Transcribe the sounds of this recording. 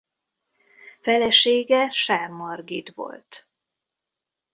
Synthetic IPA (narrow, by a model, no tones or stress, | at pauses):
fɛlɛʃeːɡɛʃaːrmɒrɡit̪ʋo̞̰lt̪